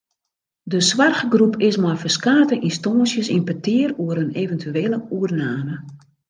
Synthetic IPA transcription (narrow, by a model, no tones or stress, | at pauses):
dəsʋarxəɡrupʰɪsmɔjfərskaːtəʔinstoːəsjəsinpətʰɪːəruəɾəneːvəntʰyeːləuərnaːmə